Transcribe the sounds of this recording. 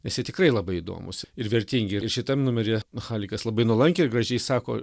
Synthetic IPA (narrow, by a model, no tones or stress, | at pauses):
nʲɛsjiɛt̪ʲɪkrɐɪlˠɐbɐɪid̪o̰ːmʊ̰sɪɾʋʲɛɾʲt̪ʲiŋʲɡʲɪɪɾʃʲɪt̪ɐmnʊmʲɛɾʲeːxɑːlʲɪkɐslˠɐbɐɪnuɔlˠɐŋʲkʲeɪɾɡrɐʒʲɛɪsɑːko̰ː